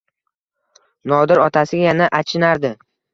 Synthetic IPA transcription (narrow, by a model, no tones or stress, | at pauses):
nɒd̪ɪɾɒt̪ʰasɪɡʲajanaʔat͡ʃʰɪnaɾd̪ɪ